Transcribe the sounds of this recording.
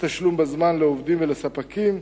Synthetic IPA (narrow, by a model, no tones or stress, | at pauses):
t̪aʃlumbazmanleovdimvelesapakim